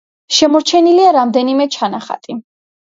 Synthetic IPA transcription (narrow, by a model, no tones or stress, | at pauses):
ʃɛmɔɾt͡ʃʰɛniliaɾamd̪ɛnimɛt͡ʃʰanaχa̰t̪ʼi